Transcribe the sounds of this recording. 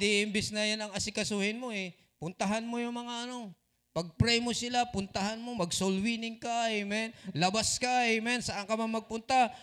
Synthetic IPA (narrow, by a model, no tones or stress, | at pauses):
d̪ɪɪmbɪsnɐjanɐŋɐsɪkɐsuːhɪnmo̞ɛ | pʊnt̪ɐɦanmojʊŋmɐŋaʔɐno̞ | pɐɡ̚pɾɛjmosɪlapʊnt̪ɐhanmo̞mɐɡsolwinɪŋkajmɛnlɐbaskajmɛnsɐʔaŋkɐmaŋmɐɡ̚pʊnt̪a